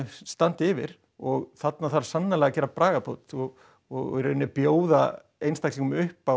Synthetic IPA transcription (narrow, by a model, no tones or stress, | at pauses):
st̪ant̪ɪvɪ̰ɾ̥ | ɔɣθat̪naθaɾ̥sanːalɛɣacɛːɾapɾaːɣapʰowt̪ɔɣ | ɔɣɾʏnːɪpjoːwða | ejnst̪ajkliŋkʏmʏhpa